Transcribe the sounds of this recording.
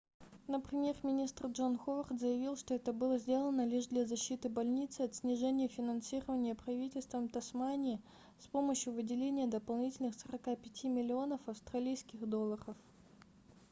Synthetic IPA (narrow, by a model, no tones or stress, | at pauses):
nəpɾʲɪmʲje̞rmʲɪnʲist̪rʐo̞nxovərt̪zəjɪvʲilˠʂt̪o̞ɛt̪əbɨlˠəzʲdʲe̞lˠənəlʲiʐd̪lʲazɐɕːit̪ɨbɐlʲnʲit̪sɨɐt̪sʲnʲɪʐɛnʲɪjəfʲɪnɐnsʲiɾəvənʲɪjəpɾɐvʲitʲɪlʲst̪vəmt̪ɐsmanʲɪː | spo̞məɕjʊvɨdʲɪlʲenʲɪjəd̪əpɐlˠnʲitʲɪlʲnɨxsəɾɐkapʲɪtʲimʲɪlʲɪo̞nəfɐfst̪rɐlʲijskʲɪxd̪o̞lˠəɾəf